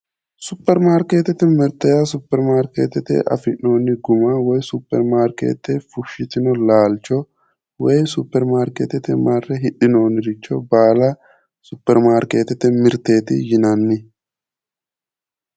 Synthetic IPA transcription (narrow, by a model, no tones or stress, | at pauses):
sʊpːɛɾmaːɾkeːt̪ːɛt̪ɪmɪɾt̪ɛjɐsʊpːɛɾmaːɾkḛːt̪ɛt̪ɛ̰ʔɐ̰fɪʔno̞ːnːɪɡʊmawɔjsʊpːɛɾmaːɾkḛːt̪ːɛfʊʃɪt̪ɪnɔlaːlt͡ʃːɔ | wɔjsʊpːɛɾmaːɾkeːt̪ɛt̪ɪmarɛɦɪɗːɪno̞ːnɪɾɪt͡ʃːɔbaːlɐ | sʊpːɛɾmaːɾkeːt̪ɛt̪ɛmɪɾt̪eːt̪ɪ̰jɪnɐnːɪ